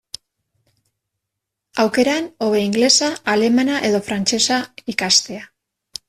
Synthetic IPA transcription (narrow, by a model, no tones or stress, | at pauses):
awke̞ɾano̞β̞e̞iŋɡle̞saale̞manaʔe̞ðo̞fɾant͡ʃe̞saikast̪e̞a